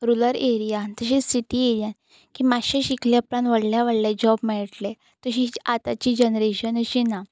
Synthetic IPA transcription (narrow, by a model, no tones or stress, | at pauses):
ɾuləɾeɾijat̪əɕesiʈieɾijan | kimaɕẽɕiklepɾanʋəɽljaʋəɽled͡ʑɔbmɛɭʈle | t̪əɕiat̪at͡ɕiːd͡ʑənɾeɕənəɕina